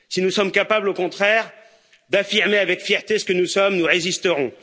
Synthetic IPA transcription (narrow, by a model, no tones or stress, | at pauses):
sinusɔmkapablokɔ̃t̪χɛːʁ | d̪afiʁmeavɛkfjɛʁt̪esə̥kənusɔmnuʁezist̪əʁɔ̃